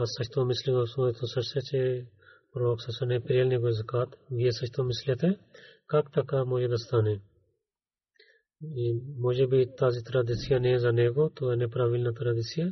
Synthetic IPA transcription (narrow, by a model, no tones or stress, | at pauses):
ɐsɐt͡ʃʰt̪õmɪsliɡosot̪osɐɾset͡ʃe | pɾoːksɐsɐnepɾjelneɡozɐkaːt̪ʋiesɐt͡ʃʰt̪omɪsljɐt̪ekakt̪ɐkamoːd͡ʒed̪ɐst̪aːne | imoːd͡ʒebit̪aːzit̪ɾad̪isijanezɐneːɡot̪oenepɾaːʋilnat̪ɐɾad̪isija